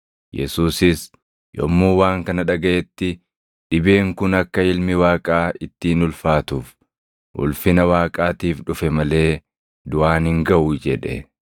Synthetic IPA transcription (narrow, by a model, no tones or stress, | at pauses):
jɛ̰suːsɪs | jɔ̰mːuːwaːŋkɐnɐᶑɐɡɐʔɛt̪ːɪ | ᶑɪbe̞ːŋkʊnɐkːɐɪlmɪwaːkʼaːɪt̪ːiːnʊlfaːt̪uːf | ʔʊ̰lfɪnɐwaːkʼaːt̪iːfᶑʊfɛmɐle̞ː | d̪ʊʔaːnhɪŋɡɐʔuːd͡ʒɛᶑɛ̰